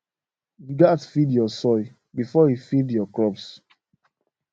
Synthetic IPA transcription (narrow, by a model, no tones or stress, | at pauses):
iɡatfidjɔsɔj | bifɔhifidjɔkɹɔps